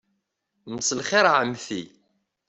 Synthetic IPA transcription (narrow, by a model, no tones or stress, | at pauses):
msəlχɪɾʕəmθi